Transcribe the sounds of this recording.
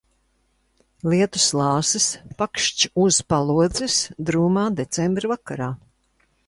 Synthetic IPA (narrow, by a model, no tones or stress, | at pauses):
liɛt̪u̥slˠɑːsɨspakʃt͡ʃuz̥palˠuɔd̪zisd̪ɾuːmaːd̪et̪sɛmbɾɨvakaɾaː